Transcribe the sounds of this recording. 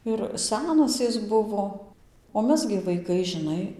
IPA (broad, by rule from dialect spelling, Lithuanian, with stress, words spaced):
ɪr ˈsʲæːnɐs ˈɪs ˈbʊʋoː oː ˈmʲɛs ɡʲɪ ʋɐɪˈkɐɪ ʒʲɪˈnɐɪ